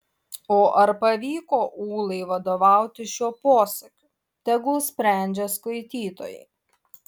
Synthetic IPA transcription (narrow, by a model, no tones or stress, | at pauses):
oːʔɐɾpɐʋʲiːkoːʔuːlˠɐɪʋɐd̪oːʋɑˑʊt̪ʲɪʃʲuːpoːsɐkʲuː | t̪ʲɛɡʊsʲpʲɾʲæˑnʲd͡ʒʲɛskɐɪt̪ʲiːt̪o̰ːjɛ̰ɪ